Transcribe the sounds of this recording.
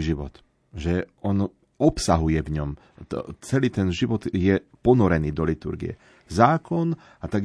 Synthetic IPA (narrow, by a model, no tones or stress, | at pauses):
ʒiʋɔ̰t̪ | ʒɛɔn | ɔpsaɦujɛvɲɔm | t͡sɛliːt̪ɛnʒiʋɔd̪jɛpɔnɔɾɛniːd̪ɔlit̪ṵɾɡḭɛ̰ | zaːkɔn | at̪aɡ